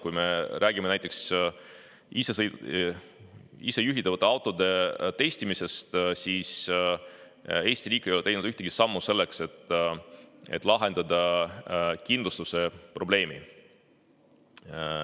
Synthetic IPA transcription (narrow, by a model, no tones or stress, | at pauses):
kujme̞ɾʔæːɡ̥imeæjt̪ːˑe̞ks | ise | ḭse̞juɦit̪ːɑvɑt̪ːˑeɑwt̪ːˑo̞d̪e̞t̪e̞jsʲt̪imise̞st̪siːs | e̞ːsʲt̪iɾiːkˑːejoet̪e̞jnd̪yht̪eɡ̥isɑmːuse̞lːe̞kse̞t̪ː | ḛt̪ːˑlɑɦe̞nd̪̥ɑd̪̥ɑ | kind̪lust̪use̞pro̞ble̞ːmi